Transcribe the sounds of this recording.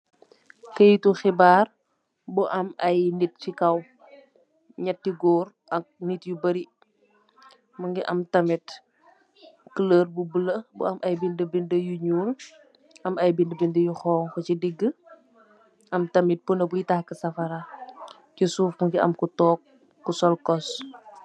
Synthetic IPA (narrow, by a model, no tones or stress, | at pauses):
kɐjtuxibaːr | buʔɐmɐjnit̚fikɐw | ɲɐtːiɡɔːɾ | ʔɐk̚nitjubɐɾi | mɐŋɡiʔɐmtɐmɛt | kələːrbubələbṵɐmʔɐjbindəbindəjuɲuːl | ʔɐmɐjbindəbindəjuxɔːŋkɔt͡ʃidiɡːə | ʔɐmtɐmit̚punəbujitahkəsɐfɐɾa | cusuːfmuŋɡiʔɐ̰mkutɔːk̚ː | usɔlkɔs